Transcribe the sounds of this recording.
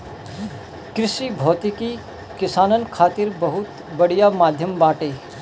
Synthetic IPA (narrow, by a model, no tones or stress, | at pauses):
kɾɪʃibʱɔːt̪iki | kɪsaːnənkʰaːt̪ɪɾbɐɦʊt̪ | bɐɽijamaːd̪ʱjəmbaːʈeː